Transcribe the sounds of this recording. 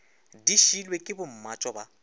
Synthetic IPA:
diʃilwekʼɪbʊm̩mat͡ʃʼɔba

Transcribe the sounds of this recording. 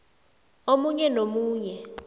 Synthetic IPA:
omuɲɛnomuːɲɛ

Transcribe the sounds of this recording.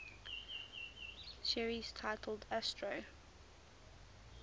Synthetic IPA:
ʃɛɹiz̥tʰaɪtʰəl̩ˠdæstʰɹoʊ

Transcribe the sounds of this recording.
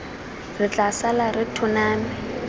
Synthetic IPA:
rɪt͡ɬʼasalarɪtʰʊnaːmɪ

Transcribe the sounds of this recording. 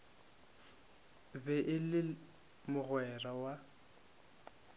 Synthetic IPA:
bɛʔɪlɪ | mʊɣwɛrawa

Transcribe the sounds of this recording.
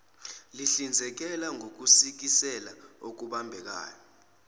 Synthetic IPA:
liɬind͡zʱɛk̬ɛlaŋʱok̬usik̬isɛlaok̬uɓambʱɛk̬a̰ːjɔ

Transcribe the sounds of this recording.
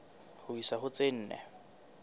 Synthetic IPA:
hʊisahʊt͡sʼen̩ːnɛ̰

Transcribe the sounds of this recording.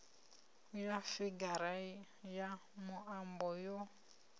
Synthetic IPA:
jafiɡaɾa | jamʊʔambɔjo

